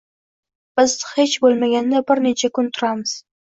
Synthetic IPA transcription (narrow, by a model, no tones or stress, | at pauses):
b̥ɪzhet͡ʃbolˠmaɡʲanːɪbɪɾnet͡ʃʰakʰʊnt̪ʰʊɾamɪz̥